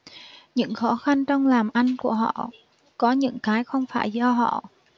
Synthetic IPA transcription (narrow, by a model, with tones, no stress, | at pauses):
ɲɨ̰˧˥ŋxɔ˨˦xa˧nt͡ɕɔ˧wŋ͡mlaː˨˩mʔa˧jŋ̟ku˧˩əɦɔ̰˧˨ | kɔ˨˦ɲɨ̰˧˥ŋkaː˨˦jxə˧wŋ͡mfaː˧˩jzɔ˧ɦɔ̰˧˨